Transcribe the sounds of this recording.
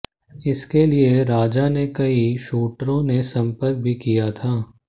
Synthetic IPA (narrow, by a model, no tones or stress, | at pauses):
ɪskelieɾaːd͡ʒanekɐiʃuːʈɾõnesɐ̃mpəɾk̚bʱikijat̪ʰaː